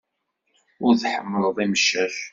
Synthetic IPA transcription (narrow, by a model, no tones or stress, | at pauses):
ʊɾðħə̰mːəlˤðˤiməʃːæθ